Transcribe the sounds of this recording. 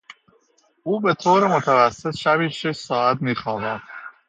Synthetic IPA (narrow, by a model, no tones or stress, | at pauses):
ʔuːbe̞t̪ʰoːɾemot̪ʰævæsːe̞t̪ʃæbiːʃeʃsɒːæt̪miːxɒːvænd̪̥